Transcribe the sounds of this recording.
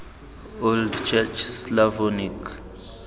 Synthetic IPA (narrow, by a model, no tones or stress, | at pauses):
oldt͡ʃʰɛt͡ʃʰslavɔnik